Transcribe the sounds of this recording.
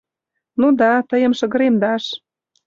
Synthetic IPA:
nud̪ɑt̪əjə̆mʃəɣə̆ɾemd̪ɑʃ

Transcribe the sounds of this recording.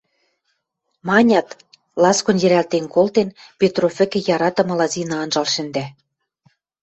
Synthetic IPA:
mɑnʲɑt̪ | lɑskonjɘ̆ɾælt̪enkolt̪enpʲet̪rofʲɘ̆kɘ̆jɑɾɑt̪ɤ̆mɤ̆lɑzinɑɑnʒɑlʃɘ̆nd̪æ

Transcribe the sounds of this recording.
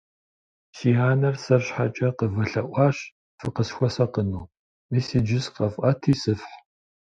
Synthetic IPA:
siːɦaːnɐrsɐrɕħat͡ʃʼɐqəvɐɬɐʔʷɑːɕ | fɨqəsxʷɔsɐqənuː | misiːd͡ʒɪsqɐfʔɐtʰiːsɨfħ

